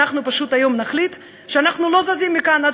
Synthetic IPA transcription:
aχnupaʃut̪ajo̞mnaχlit̪ | ʃeanaχnulo̞zazimːikana

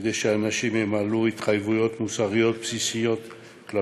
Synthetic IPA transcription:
d̪ejʃeanaʃimemaluit̪χajvujo̞t̪musaʁijo̞t̪̚psisijo̞t̪ | kla

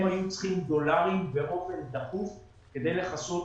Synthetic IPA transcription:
mhajut͡sχimd̪o̞laʁimveʔo̞fe̞nd̪akuf | ke̞d̪e̞jle̞χaso̞t̪

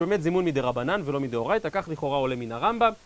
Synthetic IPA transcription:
bemet̪zimunmid̪eʁabananvelo̞mid̪eo̞ʁajt̪akaχliχo̞ʁao̞leminaʁambam

